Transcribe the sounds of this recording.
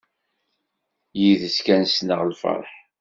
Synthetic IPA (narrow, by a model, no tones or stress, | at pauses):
jiðəskænsnəʁlfɑ̰ɾˤħ